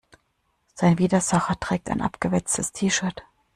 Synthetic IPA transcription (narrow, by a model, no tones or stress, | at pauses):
z̥aɪnviːdɐzaχɐtʁ̥ɛːk̚taɪnʔa̰pɡ̥əvɛt͡stʰəstʰiːʃœɐt